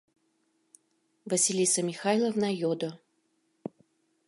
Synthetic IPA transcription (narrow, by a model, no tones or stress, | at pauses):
vɐsʲilʲisəmʲixajlˠəvnajod̪ə